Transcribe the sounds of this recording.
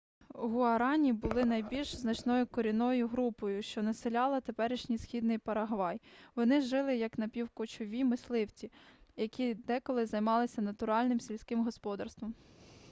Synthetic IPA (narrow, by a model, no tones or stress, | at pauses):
ɦʊɐɾɑnʲibʊlˠɪnɐjbʲilʲʃznɐt͡ʃnɔjʊkɔɾʲinɔjʊɦɾupɔjʊʃt͡ʃɔnɐsɪlʲɑlˠɐt̪epɛɾɪʃnʲisxʲid̪nɪjpɐɾɐɦʋɑjʋɔnɪʒɪlˠɪjɐknɐpʲiwkʊt͡ʃɔʋʲimɪslˠɪwt͡sʲijɐkʲid̪ɛkɔlˠɪzɐjmɑlˠɪsʲɐnɐt̪ʊɾɑlʲnɪmsʲilʲsʲkɪmɦɔspɔd̪ɐrst̪ʋɔm